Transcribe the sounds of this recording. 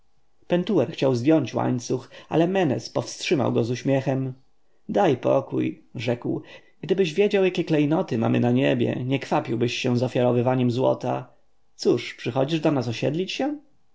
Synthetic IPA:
pɛnt̪uwɛɾxt͡ɕawzvʲjɔɲt͡ɕwa̰ɲt̪suxa̰lɛmɛnɛ̰spɔfstʂɘma̰wɡɔzuɕmʲjɛxɛm | d̪ajpɔ̰kṵjʐɛkw | ɡd̪ɘbɘʑvʲjed͡ʑawjakʲɛklɛjnɔt̪ɘma̰mɘ̰naɲebʲjɛ̰ɲɛkfapʲiwbɘɕːɛ̃zɔfʲjaɾɔvɘvaɲɛmzwɔ̰t̪a | t̪suʂpʂɘxɔd͡ʑiʐd̪ɔnas̬ɔɕɛ̰d̪lʲit͡ɕɕɛ

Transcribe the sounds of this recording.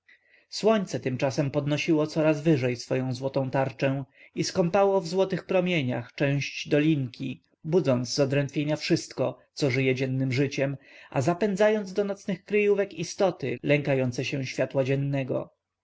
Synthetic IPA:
swɔɲt̪sɛt̪ɘmt͡ʂasɛmpɔd̪nɔɕiwɔt̪sɔɾazvɘʐɛjsfɔjɔ̃w̃zwɔt̪ɔ̃w̃t̪aɾt͡ʂɛ̃w̃ | iskɔmpawɔvzwɔt̪ɘxpɾɔmʲjeɲa̰xt͡ʂɛ̃w̃ɕd͡ʑd̪ɔlʲiŋkʲi | bud̪zɔnzzɔd̪ɾɛnt̪fʲjeɲafʂɘst̪kɔt̪sɔʐɘjɛd͡ʑɛnːɘmʐɘt͡ɕɛmʔa̰zapɛnd̪zajɔnd̪ɔnɔt̪snɘxkɾɘjuvɛkist̪ɔt̪ɘlɛŋkajɔnt̪sɛɕɛɕfʲjat̪wad͡ʑɛnːɛɡɔ̰

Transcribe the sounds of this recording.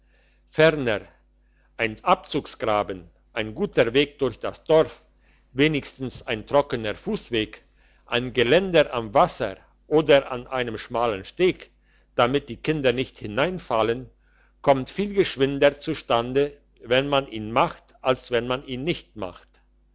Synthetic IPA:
fɛʁnə | ʔaɪnʔap̚t͡suːksɡ̥ʁaːbən | ʔaɪnɡuːtəveːk̚d̥ʊɐçd̥asd̥ɔɐf | veːnɪçstn̩saɪntʁ̥ɔkənəʁfuːsv̥eːk | ʔaɪnɡəlɛndəʔamvasɐ̰ | ʔoːdɐʔa̰nʔaɪnəmʃmaːlənʃteːk | d̥amɪt̚d̥iːkʰɪndɐnɪçthɪnaɪnfalən | kʰɔmtfiːlɡəʃv̥ɪndɐt͡suʃtandə | vɛnmanʔiːnmaχtʔalsv̥ɛnmanʔiːnːɪçtma̰χt

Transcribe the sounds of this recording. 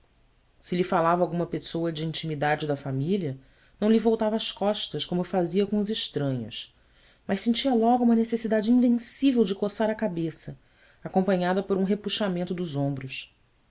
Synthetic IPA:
sɪʎifalavawɡũmɐpesoɐd͡ʒɪĩnt͡ʃimid̪ad͡ʒɪd̪ɐfamiliɐ | nɐ̃w̃livowt̪avɐːʃkɔʃt̪ɐʃkõmʊfaziɐkõʊzɪʃt̪ɾɐ̃ɲʊ̰s | mɐʃsẽnt͡ʃiɐlɔɡuũmɐnesesid̪ad͡ʒɪĩvẽsivewd͡ʒɪkosaɾɐkabesɐ | akõmpɐ̃ɲad̪ɐpoɾũɦepuʃamẽnt̪ʊd̪ʊzõmbɾʊs

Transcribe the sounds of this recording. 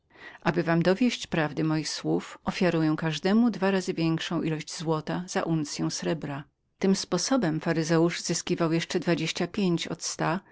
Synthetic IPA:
ʔabɘvamd̪ɔvʲjeɕt͡ɕpɾavd̪ɘmɔjixswufʔɔfʲjaɾujɛ̃kaʐd̪ɛmud̪vaɾazɘvʲjɛŋkʂɔ̃w̃ʔilɔɕd͡ʑzwɔt̪az̥a̰ʔunt̪sʲjɛ̃w̃sɾɛbɾa | t̪ɘmspɔsɔbɛmfaɾɘzɛuʐzɘskʲivawjɛʂt͡ʂɛd̪vad͡ʑeɕt͡ɕapʲjeɲt͡ɕɔ̰t̪st̪a

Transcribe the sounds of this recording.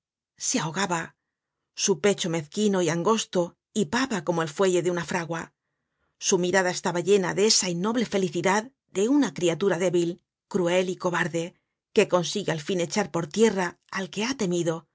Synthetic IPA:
seaoɣaβa | supe̞t͡ʃo̞me̞θkino̞iaŋɡo̞st̪o | ipaβako̞moe̞lfwe̞ʝe̞ðeunafɾaɣwa | sumiɾaðae̞st̪aβaʎe̞naðeesainːo̞βle̞fe̞liθiðað | d̪e̞unakɾiat̪uɾaðe̞βil | kɾue̞liko̞βaɾðe̞ | ke̞ko̞nsiɣealfine̞t͡ʃaɾpo̞ɾt̪je̞raː | lke̞at̪e̞miðo̞

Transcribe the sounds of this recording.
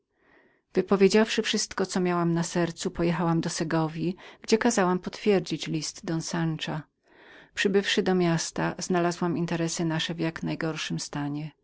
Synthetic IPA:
v̥ɘpɔvʲjed͡ʑafʂɘfʂɘst̪kɔt̪sɔmʲjawamnasɛɾt̪supɔjɛxawamd̪ɔsɛɡɔvʲiɡ̥d͡ʑɛkazawampɔt̪fʲjɛɾd͡ʑit͡ɕlʲist̪d̪ɔnsant͡ʂa | pʂɘbɘfʂɘd̪ɔmʲjast̪az̥nalazwamint̪ɛɾɛsɘnaʂɛvjaknajɡɔɾʂɘmst̪aɲɛ

